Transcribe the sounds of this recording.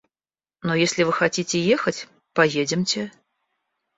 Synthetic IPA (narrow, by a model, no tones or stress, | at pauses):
nojesʲlʲɪvɨxɐtʲitʲɪjexətʲ | pɐjedʲɪmtʲɪ